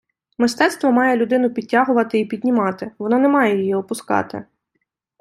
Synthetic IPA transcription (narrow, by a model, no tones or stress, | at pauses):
mɪst̪ɛt̪st̪ʋɔmɑjɛlʲʊd̪ɪnʊpʲid̚ʲtʲːɑɦʊʋɐt̪ɪipʲidʲnʲimɑt̪ɪʋɔnɔnɛmɑjɛjijiɔpʊskɑ̰t̪ɪ̰